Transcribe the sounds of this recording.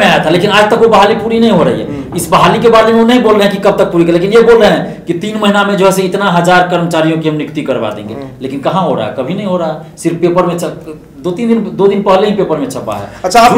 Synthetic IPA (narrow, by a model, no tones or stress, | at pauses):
eaet̪ʰalekinaːd͡ʒt̪əkʋobəɦalipuɾinəɦĩɦoɾəɦḭɦɛ̰ | isbəɦalikebaɾlemeonəɦĩbolɾəɦɛ̃kikəb̚t̪ək̚puɾikəlekinjebolɾəɦɛ̃kit̪inməɦinamẽd͡ʒoɦɛseit̪naɦəd͡ʒaɾkəɾmət͡ʃaɾijõkiɦəmnikt̪ikəɾba̰d̪ḛ̃ŋɡḛlekinkəɦãɦoɾa̰ɦɛ̰kəbʱinəĩɦoɾaɦɛ | siɾfpepəɾmẽt͡ʃʰə | d̪ot̪ind̪ind̪od̪inpəɦleɦĩpepəɾmẽt͡ʃʰəpːa̰ɦɛ̰ətːʃʰa